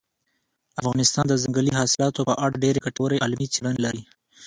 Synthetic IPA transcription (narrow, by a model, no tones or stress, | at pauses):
afɣɑnɪst̪ɑnd̪əzaŋɡəliɦɑsɪlɑt̪opəʔaɽɖeɾekaʈawɾeʔalmit͡siɽanelaɾi